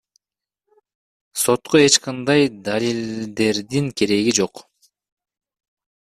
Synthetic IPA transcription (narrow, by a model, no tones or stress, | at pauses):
so̞t̪qoe̞t͡ʃqɑnd̪ɑjd̪alʲild̪e̞ɾd̪iŋkʰe̞ɾe̞ɡid͡ʒo̞q